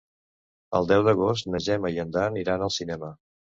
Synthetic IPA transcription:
ə̰lˠd̪ɛwd̪əɣos̬t̪nəʒɛməiənd̪aniɾanəlˠsinɛmə

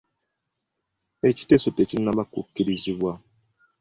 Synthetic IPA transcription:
et͡ʃi̥tesotet͡ʃin̩nabako̰kiɾiziβa

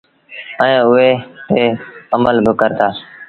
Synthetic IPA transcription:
əẽːʊɦeːt̪ʰeːəməlbʱəkəɾt̪aː

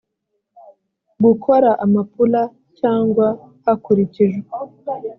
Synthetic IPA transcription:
ɡukʰo̞ɾaʔamapula | caːŋɡwa | hakuɾiciʒwe

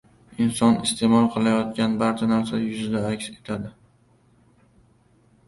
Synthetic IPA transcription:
ɪnsɒnɪst̪ʰe̞mɒlˠqʰɨlˠajɒt̪̚kʲanbaɾt͡ʃʰanaɾsajʊzɪd̪aakʲse̞̥t̪ʰad̪ɪ

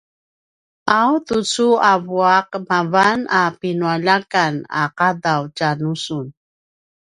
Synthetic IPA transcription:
awtut͡suavuaq̚mavanapinuaʎakana̰qadawcanusun

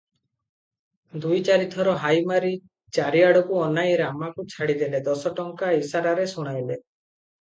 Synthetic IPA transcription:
d̪ujt͡ʃaɾit̪ʰɔɾɔɦajmaɾi | t͡ʃaɾiaɽɔkuɔnajɾamakut͡ʃʰaɽid̪eled̪ɔsɔʈɔŋkaisaɾaɾesuɽ̃ajle

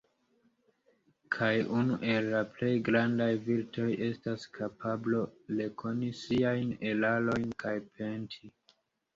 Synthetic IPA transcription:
kʰajunuʔe̞lːaple̞jɡɾandajviltʰo̞je̞staskʰapʰablo̞le̞kʰo̞nisiajne̞lalo̞jnkajpʰe̞ntʰi

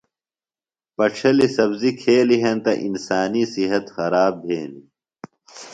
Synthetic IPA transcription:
pɐʈ͡ʂʰɐlisɐbzikʰeːliɦɐnt̪ɐʔinsaːnisiɦɐt̪xɐɾaːb̚bʱeːni

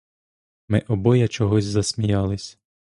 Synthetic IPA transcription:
mɪʔɔbɔjɐt͡ʃɔɦɔzʲzɐsʲmʲijɑlˠɪsʲ

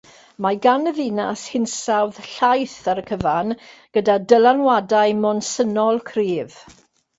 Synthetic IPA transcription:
maɡanəðina̰shɪnsawðɬajθaɾəkʰəvanɡ̥ədadəlˠanwadajmɔnsənɔlˠkʰriːv̥

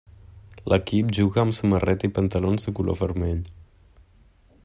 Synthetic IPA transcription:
lʔəkip̚ʒuɣaːmsəmərɛt̪ipənt̪alonzðəkulʔo̰vəɾmeʎ

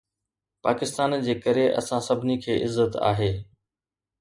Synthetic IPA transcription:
paːkɪst̪aːnd͡ʑeːkəɾeʔɐ̰sãsɐbʱɪnikʰeːʔɪzːət̪a̰ːɦeː

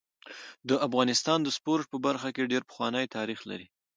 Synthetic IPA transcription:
d̪əafɣɑnɪst̪ɑnd̪əspoɾʈ̚pəbaɾxakeɖeɾpə̥xwɑnəjt̪ɑɾixla̰ɾi

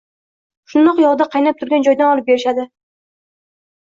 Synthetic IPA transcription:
ʃʊnd̪ɒqjɒʁd̪aqʰɑjnap̚t̪ʰʊɾɡʲand͡ʒɒjd̪anɒlˠɪp̚beɾɪʃad̪ɪ

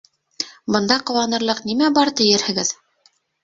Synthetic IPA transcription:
bɤ̆nd̪ɑqɤ̆wɑnɤ̆ɾlˠɤqnimæbɑɾt̪ɘ̆jɘɾhɘ̆ɡɘð

